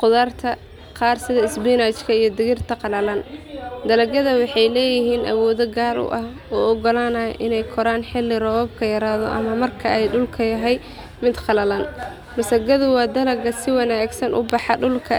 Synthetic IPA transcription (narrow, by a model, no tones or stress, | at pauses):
qʊðaːrt̪ʰɐ | qɑːrsɪðɐɪsbiːnat͡ʃkʰɐijɞd̪ɪɣɪrt̪ʰɐqɑlɐlɐnd̪ɐlɐɡɐðɐwɑħɑjlɛːjɪɦiːnʔɐ̰wɔːðɔɡaːlʔʊ̰ʔɐh | ɔːɔɡɔlaːnɐ̰ʔɪnɛjkʰɔɾaːnħɪlːɪrɔːβɔb̚kʰɐjɐɾaːðɔ̰ʔɐ̰mɐmɐrkʰɐʔɛjɖʊlkʰɐjɐɦɛj | mɪd̪qɑlɐlɐn | mɐsɐɡɐðʊwɑːd̪ɐlɐɡɐsɪwɑnaːɡsɐnʔʊ̰bɑħɑɖʊlkʰɐ